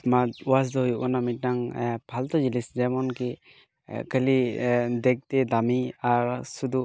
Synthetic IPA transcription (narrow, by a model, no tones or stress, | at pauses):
smatwas̬dɔɦujuʔɔnamit̚naŋpʰaltɔziliszamɔnke | kʰəlidek̚tedamiaɾsudu